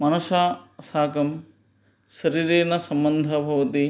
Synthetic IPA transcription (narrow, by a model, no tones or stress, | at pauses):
mɐnɐʃaːsaːkɐm | ʃɐɾiːɾeːnɐsɐmbɐnd̪ʱɐbʱɐʋɐt̪i